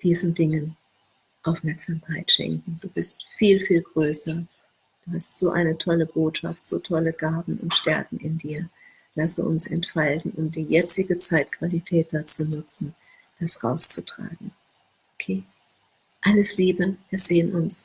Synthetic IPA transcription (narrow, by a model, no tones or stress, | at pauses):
d̥iːzn̩dɪŋən | ʔaʊfmɛɐkz̥amkʰaɪtʃɛ̰ŋkŋ̩d̥uːbɪstfiːlfiːlɡʁøːsɐ | d̥uːhastz̥oːʔa̰ɪnətʰɔləboːtʃa̰ftz̥o̰ːtʰɔləɡ̥aːbm̩ʊ̰ntʃtɛɐkŋ̩ɪndiːɐ | lasə̰ʔʊ̰nsɛntfaltn̩ʔʊnt̚d̥iːjɛt͡sɪɡət͡saɪt̚kʰv̥alitʰɛːt̚d̥at͡suːnʊt͡sn̩ | d̥asʁa̰ʊst͡sutʁ̥a̰ːɡŋ̩ | ʔokʰeː | ʔaləsliːbəviːɐz̥eːənʔʊns